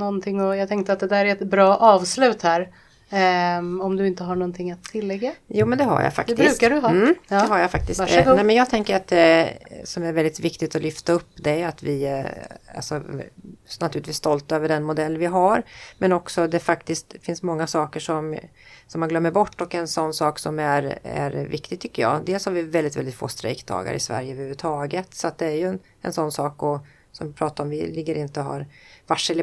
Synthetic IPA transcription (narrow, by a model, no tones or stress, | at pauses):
nɔnt̪ʰɪŋːɔjɑːt̪ʰɛŋk̚t̪əat̪̚d̪ɛd̪æːɾæɛt̪bɾɑːʔɑːvslʉ̟ːt̪hæːɾ | ɔmd̪ɵɪnt̪əɦaɳɔnt̪ʰɪŋːat̪ʰːɪlːɛɡːajuːmɛnd̪ɛɦa̰ɾja̰fa̰kdɛbɪɾʉːkaɖɵɦɑd̪ɛɦaɾjafak̚t̪ɪsanːɛjmɛnjɑːɡ̚t̪ʰɛŋkəɾat̪̚d̪ɛsɔmæɾvɛld̪ɪt̪vɪkt̪ɪt̪ɔlʏft̪aɵpːd̪ɛat̪vɪ | a̰lsɔ | nat̪ʰʉ̟lɪt̪viːst̪ɔlt̪øːvəɖɛnmʊd̪ɛlːvɪɦaɾmɛnɔksɔd̪ɛfakt̪ɪst̪fɪnsmɔŋːasɑːkəʂɔm | sɔmːanɡlœmːəɾbɔʈːɔkɛnsɔnːsɑːksɔmæɾæ̰ɾvɪkt̪ɪɡ̚t̪ʰʏkːəjɑ̰ːd̪eːlshaɾvɪvɛld̪ɪt̪vɛlɪt̪fo̰ːst̪ɾɛ̰kd̪ʰɑ̰ːɡa̰ɾʔɪ̰svæ̰ɾjəvɾhʉvʉt̪ʰɑːɡət̪sɔat̪̚d̪ɛæɾjɵn | ɛnsɔnːsɑːkɔ | sɔmvɪpʰɾɑːt̪aɾɔmvɪ̰lɪɡːəɾɪnt̪əɔɦa̰ɾvaʂɛl